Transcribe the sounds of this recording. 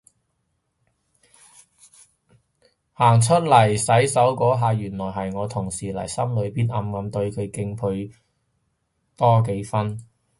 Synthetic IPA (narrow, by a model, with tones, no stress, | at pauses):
haː˨˩ŋt͡ʃʰɵ˥t̚lɐ˨˩jsɐ˨˥jsɐ˨˥wkɔː˨˥ɦaː˨˧jyː˨˩nlɔː˨˩jɦɐ˨jŋɔː˨˧t̪ʰʊ˨˩ŋsiː˨˩lɐ̰˨˩jsɐ˥mlɵ˨˧ɥpiː˨nʔɐ˨˧mkɐ˨˧mt̪ɵ˧ɥkʰɵ˨˧ɥkɪ˧ŋpʰɵ˧ | t̪ɔː˥k̬e˨˥jfɐ˥n